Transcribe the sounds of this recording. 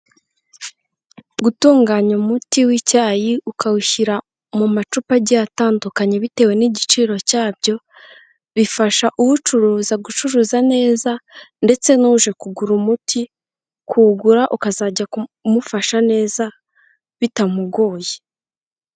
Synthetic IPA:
ɡutuːŋɡaːɲumutiwicaːjiukawuçiɾa | mumat͡ʃupaɟataːndukaɲe̞βite̞ːwe̞niɟit͡ʃiːɾo̞caːb̚ɟo̞ | βifaʃaʔuhut͡ʃuɾuːzaɡut͡ʃuɾuːzane̞ːzande̞t͡se̞nuːʒe̞kuɡuɾumutʰi | kʰuːɡuɾaʔukazaːɟakumufaʃane̞ːza | βitamuɡo̞ːje

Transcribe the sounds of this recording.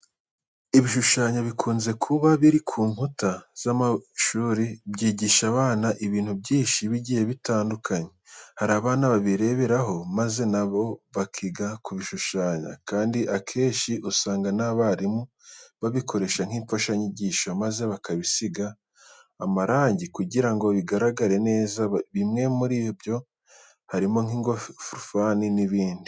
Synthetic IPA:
iβiʃuʃaːɲaβikʰuːnze̞kʰuβaβiɾikʰuːŋhutaz̥amaʃuːɾibɟiːɟiʃaβaːnaʔiβiːnhubjɟiːnʃiβiɟiːje̞βitaːndukʰaɲehaɾaːβaːnaβaβiɾe̞βe̞ɾaɦo̞maze̞naβo̞βakʰiɡakuβiʃuʃaːɲa̰kaːndiʔakʰe̞ːʃiʔusaːŋɡanaβaɾimu | βaβikʰo̞ɾe̞ʃaŋ̥hiːɱfaʃaɲiɟiːʃamaze̞βakaβisiɡaː | maɾaːɲɟikuɟiɾaŋɡo̞βiɡaɾaɡaɾe̞ne̞ːzaβimŋe̞muɾiːbjo̞ | haɾimo̞ŋhiːŋɡoffuɾufaːniniβiːndi

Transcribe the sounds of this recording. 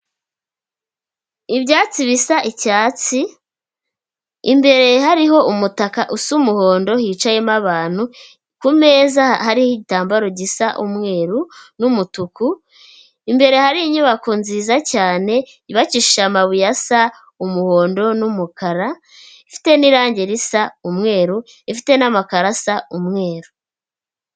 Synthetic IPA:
ibɟaːt͡siβisaʔicaːt͡si | ḭmbe̞ɾe̞ɦaɾiɦo̞ʔumutakaʔusumuho̞ːndo̞hit͡ʃajemaβaːn̥hu | kume̞ːzahaɾihiɟitaːmbaɾoɟisaʔumŋe̞ːɾunumutuku | imbe̞ɾe̞haɾiiɲuβakonziːzacaːne̞ | iβaciʃiʃamaβujasa | umuho̞ːndo̞numukaɾa | ifi̥te̞niɾaːɲɟe̞ɾisaumŋe̞ːɾu | ifite̞namakaɾasaumŋe̞ːɾu̥

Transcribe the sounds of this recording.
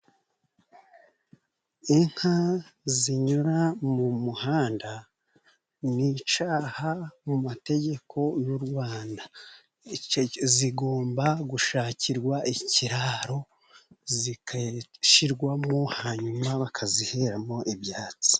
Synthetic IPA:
iŋ̥haziɲuɾamumuhaːnda | nit͡ʃaːhamumate̞ɟe̞kʰo̞juɾɡwaːnda | ziɡo̞ːmbaɡuʃaːciɾɡwaʔiciɾaːɾo̞ | zikʃiɾɡwamohaɲumaβakʰaziheɾamo̞ʔibjaːt͡si̥

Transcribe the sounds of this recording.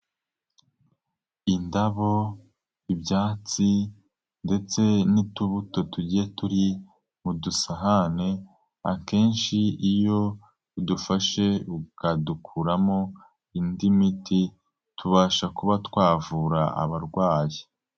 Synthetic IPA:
indaβo̞ | ibɟaːt͡si | nde̞t͡se̞nituβuto̞tuɟijetuɾi | mudusaɦane̞ | a̰ke̞ːnʃiijo̞ | udufaʃe̞ukadukʰuɾamo̞ | indimitʰi | tʰuβaːʃakuβatwaːvuɾaa̰βaɾɡwaːji

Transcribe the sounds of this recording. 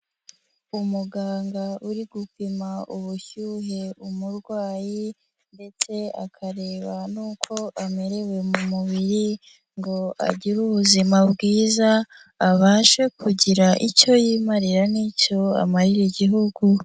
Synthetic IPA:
umuɡaːŋɡauɾiɡupimaʔuβuçuːɦe̞umuɾɡwaːji | nde̞t͡se̞a̰kʰaɾeːβanuːkʰo̞ʔame̞ɾe̞we̞mumuβiɾi | ŋɡo̞a̰ɟiɾuβuzimabɡiːzaː | βaːʃwe̞kuɟiɾaʔico̞jiːmaɾiɾanico̞a̰maɾiɾiɟiɦuɡu

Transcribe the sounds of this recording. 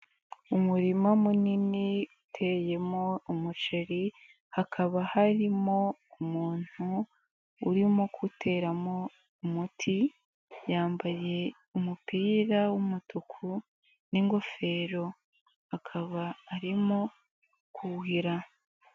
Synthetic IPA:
umuɾimamuniniutʰe̞je̞mo̞umut͡ʃeɾi | hakʰaβahaɾimo̞umuːn̥huː | ɾimokʰutʰe̞ːɾamo̞ | umutʰi | jaːmbaje̞ | umupiːɾawumutukʰu | niŋɡo̞fe̞ːɾo̞ | hakʰaβaːɾimo̞ | kuɦiɾa

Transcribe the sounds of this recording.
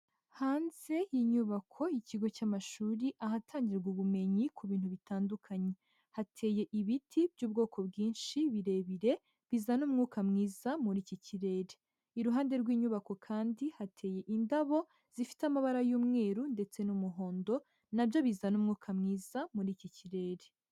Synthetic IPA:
haːnze̞jiɲuβakʰo̞iciɡo̞caːmaʃuːɾiʔaɦatʰaːɲɟiɡuβume̞ɲikʰuβiːn̥huβitaːndukʰaɲe̞ | hatʰe̞ːje̞ʔiβitʰibɟuːb̚ɡo̞ːkʰo̞bɡiːnʃiβiɾe̞βiɾe̞ | βizanuːmŋuːkamŋiːzamuɾiːciciɾe̞ɾe | iɾuɦaːnde̞ɾɡwiːɲuβako̞kʰaːndihatʰe̞je̞ʔindaβo̞ | z̥ifi̥tamaβaɾajuːmŋe̞ːɾunde̞t͡se̞numuɦo̞ːndo̞ | nabjo̞βizanuːmŋuːkʰamŋiːzamuɾiːciciɾe̞ɾe

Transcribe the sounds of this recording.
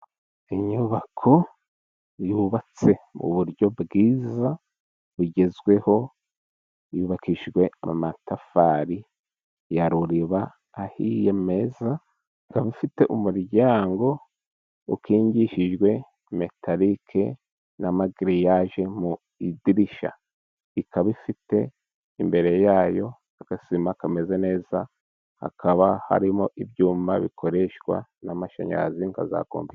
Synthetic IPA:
iɲuβakʰo̞ | juβat͡se̞mṵβuɾɟo̞bɡiːza | βuɟe̞zɡwe̞ho̞ | juβakʰiʒɡwe̞a̰matafaɾi | jaɾuɾiβaː | hijeme̞za | ɡaβifite̞ʔumuɾɟaːŋɡo̞ | ukiːɲɟiʃiʒɡwe̞ | me̞tʰaɾikʰe | namaɡiɾijaʒe̞mu | idiɾiʃa̰ | ikaβifite̞ | imbe̞ɾe̞jaːjo̞ | aɡ̥asimakame̞zene̞ːza | ha̰kʰaβaha̰ɾimoʔibjuːmbaβikʰo̞ɾe̞ʃkwa̰namaʃa̰ɲa̰ziŋka̰za̰ko̰ːmbi

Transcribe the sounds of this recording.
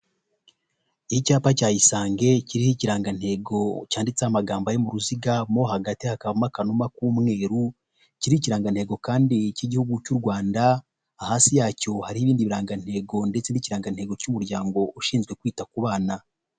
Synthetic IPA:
ihicaːpacaːjisaːŋɡe̞ciɾihiciɾaːŋɡan̥he̞ːɡo̞caːndit͡seamaɡaːmbajomuɾuziɡamohaɡatihakaβumakanumakuːmŋe̞ːɾu | ciɾiiciɾaːŋɡan̥he̞ːɡo̞kaːndiciɟihuɡucuɾɡwaːndaː | haːnsijaːco̞haɾihiːβiːndiβiɾaːŋɡan̥he̞ːɡo̞nde̞t͡seniciɾaːŋɡan̥he̞ːɡo̞cumuɾɟaːŋɡo̞uʃiːnzɡwe̞kwiːtakuβaːna

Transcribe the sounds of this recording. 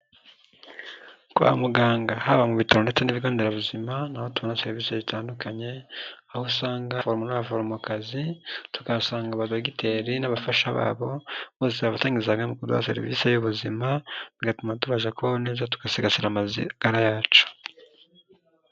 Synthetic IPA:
kwa̰muɡaːŋɡahaβamuβitʰaɾo̞ndet͡se̞niβiɡoːndeɾaβuzimanahotuβonaseɾiviːsezitʰaːndukʰaɲe̞ahusaːŋɡafoɾmunaβafoɾmukazitu̥kasaːŋɡaβadoɡitʰe̞ɾinaβafaʃaβa̰ːβo̞βoːseaβataːŋɡizaɡamukuda̰a̰se̞̰ɾḭvḭsejuβuzimaniɡatumatuβaʒakuβaβone̞ːzatu̥kasiɡasiɾamaziɡ̥aɾajaːt͡ʃo̥

